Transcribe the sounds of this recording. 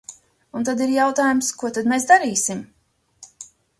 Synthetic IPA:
unt̪ad̪iɾjawt̪aːjumskuɔt̪ad̪mesd̪aɾiːsim

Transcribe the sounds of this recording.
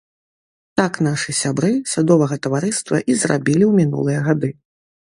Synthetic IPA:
t̪akn̪aʂɨsʲabɾɨsʲad̪ɔvɐɣɐt̪ɐvaɾɨst̪vɐ̰ʔizra̰bʲilʲiwmʲinṵlˠɨjɛɣad̪ɨ

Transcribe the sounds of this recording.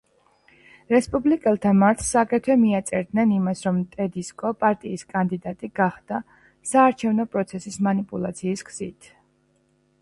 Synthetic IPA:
ɾɛspʼublikʼɛlˠt̪ʰamaɾt̪ʰsːakʼɛt̪ʰɛmiat̪sʼɛɾd̪nɛnimasɾɔmt̪ʼɛd̪iskʼɔpʼaɾt̪ʼiːskʼand̪id̪at̪ʼiɡaχd̪̥a | saːɾt͡ʃʰɛvnɔpʼɾɔt̪sʰɛsismanipʼulˠat̪sʰiːskʰz̥it̪ʰ

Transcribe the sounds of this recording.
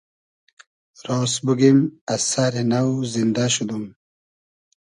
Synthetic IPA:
ɾosbuɡimasaɾenawzind̪aɕud̪um

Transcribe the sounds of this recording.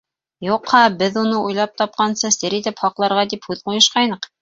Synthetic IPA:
juqhɑbɘðunɤʔujlˠɑp̚t̪ɒp̚qɑnsɤsɘɾit̪ɘpχɑqlˠɑɾʁɑd̪iphʉðqujɤ̆ʃqɑjnɤq

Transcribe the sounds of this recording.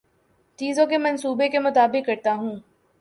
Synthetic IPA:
t͡ʃiːzõkemɐ̃nsuːbekemʊt̪aːbɪqːɐɾt̪aɦũː

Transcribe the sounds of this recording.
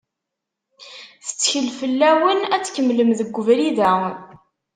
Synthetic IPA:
θə̥t͡sːçəlfəlːæwənæt͡sːkəmːləmðəɡʷːʊvɾiðæn

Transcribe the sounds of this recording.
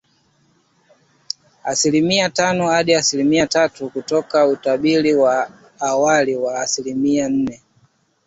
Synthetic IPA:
asilimiatanɔhaɗiasilimiatatukutɔkautaɓiliwaː | waliwaːsilimian̩nɛ

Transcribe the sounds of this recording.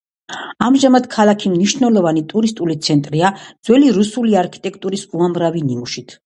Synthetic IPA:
amʒamad̪̥kʰalˠakʰimniʃnɛlˠɔvanit̪ʼuɾist̪ʼulit̪sʰɛnt̪ʼɾiad̪z̥wɛliɾusuliaɾkʰi̥t̪ʼɛkʰt̪ʼuɾisuamɾaviniuʃit̪ʰ

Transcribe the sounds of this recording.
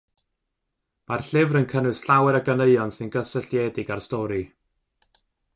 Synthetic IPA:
marɬɪvrənkʰənʊɨsɬawɛɾəɡəneɨɔnsɪnɡəsəɬjɛːdɪɡarstɔːɾi

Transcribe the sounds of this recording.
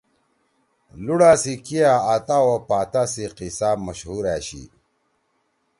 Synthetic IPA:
luɽasikiaat̪awopaːt̪asiqisaːmɐɕhuɾæːɕḭ

